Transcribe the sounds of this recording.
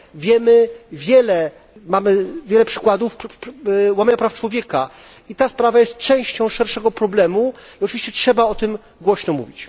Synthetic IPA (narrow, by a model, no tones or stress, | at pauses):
vʲjɛmɘvʲjɛlɛ | mamɘvʲjɛlɛpʂɘ̥kwad̪uf | wamaɲapɾaft͡ʂwɔvʲjɛka | it̪aspɾavajɛst̪̚t͡ʂɛ̃w̃ɕt͡ɕɔ̃w̃ʂɛɾʂɛɡɔpɾɔblɛmuiɔt͡ʂɨviɕt͡ɕɛtʂɛbaɔt̪ɘm | ɡwɔɕnɔmṵvʲit͡ɕ